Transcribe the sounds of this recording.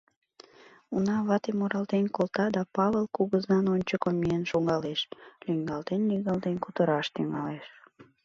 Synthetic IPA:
unɑβɑt̪emoɾɑlt̪enkolt̪ɑd̪ɑpɑβelkuɣəzɑnonʲt͡ɕəkomiənʃoŋɑleʃlyŋɡɑlt̪enːiɣɑlt̪enkut̪əɾɑʃt̪yŋɑleʃ

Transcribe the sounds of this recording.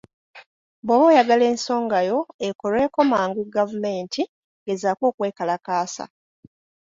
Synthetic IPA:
boβojaɡale̞ːnso̞ːŋɡajo̞ekolwe̞ːko̞maːŋɡuɡavume̞ːntʰi | ɡe̞zakoːkwe̞ːkalakaːsa̰

